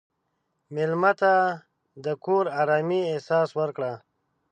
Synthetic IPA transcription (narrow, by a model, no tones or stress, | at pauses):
mɪlmat̪a | d̪əkoɾaːɾaːmiehsɑːswəɾkɽa